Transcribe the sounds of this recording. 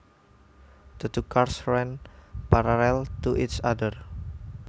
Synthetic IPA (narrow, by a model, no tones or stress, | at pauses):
d̪̥ət̪ukarsɹɛnpaɾalɛlt̪uʔisadər